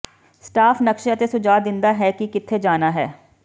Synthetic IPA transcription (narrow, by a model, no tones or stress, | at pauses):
sʈaːfʰnəkʃeət̪eːsʊd͡ʒaːd̪ɪnd̪aːɦɛːkɪkɪt̪ʰːeːd͡ʒaːnaːɦɛ̰ː